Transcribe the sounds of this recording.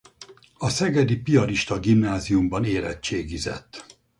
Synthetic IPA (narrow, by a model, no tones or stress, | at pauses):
ɒsɛɡɛd̪ipiɒɾiʃt̪ɒɡimnaːzijumbɒneːlɛ̰t͡ʃːeːɡizɛ̰t̪ː